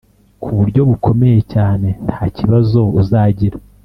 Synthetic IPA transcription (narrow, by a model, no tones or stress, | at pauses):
kʰuβuɾɟo̞βukʰo̞me̞je̞caːne̞n̥haːciβazo̞uzaːɟiɾḁ